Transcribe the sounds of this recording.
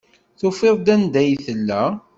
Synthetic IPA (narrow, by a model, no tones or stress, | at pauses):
θʊfeðˤd̪ænd̪æjθəlːæ